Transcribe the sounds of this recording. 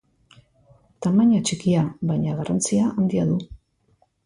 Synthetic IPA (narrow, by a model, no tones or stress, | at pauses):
t̪amaɲat͡ʃikiaβajɲaɣarant͡siaʔand̪iaðu